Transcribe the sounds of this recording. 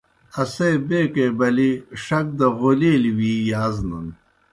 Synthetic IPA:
ɐsejbeːkebɐliʂɐk̚d̪ɐɣoliːliwiːjaːznṵn

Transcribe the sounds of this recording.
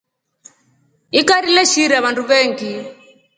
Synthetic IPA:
ikaɾilɛʃiɾaβandʱuβɛːŋɡi

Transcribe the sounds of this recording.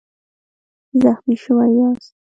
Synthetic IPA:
zaxmiʃʊwajɑs

